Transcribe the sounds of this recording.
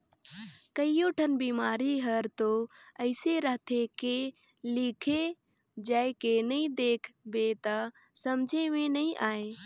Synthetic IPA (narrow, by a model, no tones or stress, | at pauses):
kəijoʈʰənbiːmaːɾiɦəɾt̪oəɪseɾəɦt̪ʰeke | likʰe | d͡ʒaːkenɐĩd̪eːkʰbet̪ə | sɐmd͡ʒʱemẽnɐĩʔaːe